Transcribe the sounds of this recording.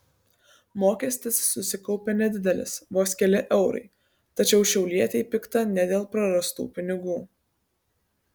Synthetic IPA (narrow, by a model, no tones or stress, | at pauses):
moːkʲɛsʲt̪ʲɪsːʊsʲɪkɒʊpʲɛnʲɛd̪ʲɪd̪ʲɛlʲɪ̰sʋoːsʲkʲɛlʲɪʔɛʊɾɐ̰ɪ | t̪ɐt͡ʃʲɛʊʃʲɛʊlʲiɛt̪ʲeɪpʲɪkt̪ɐnʲɛd̪ʲeːlˠpɾɐɾɐst̪ṵːpʲɪnʲɪɡuː